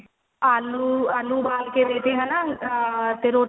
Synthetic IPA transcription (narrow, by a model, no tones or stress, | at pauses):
aːluaːluːbaːlkeːbeːt̪eɦɛ̃na | t̪eɾoː